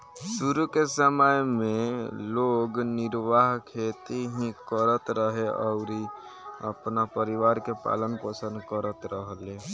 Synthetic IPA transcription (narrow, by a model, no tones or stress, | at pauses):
suɾukesəməjmeloɡniɾʋaɦkʰet̪iɦĩkəɾət̪ɾəɦeə̰ʊɾi | ə̰pnapəɾiʋaɾkepa̰lənpəsənd̪kəɾət̪ɾəɦle